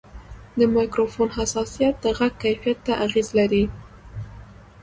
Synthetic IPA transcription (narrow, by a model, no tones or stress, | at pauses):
d̪əmɑjkɾofonɦasɑsijat̪̚d̪əɣaɡ̚kajfijat̪ːaʔaɣezlaɾi